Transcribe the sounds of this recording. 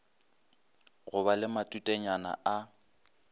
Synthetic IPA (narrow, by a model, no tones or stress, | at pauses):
ɣʊbalɪmatʼutʼɛɲana̰a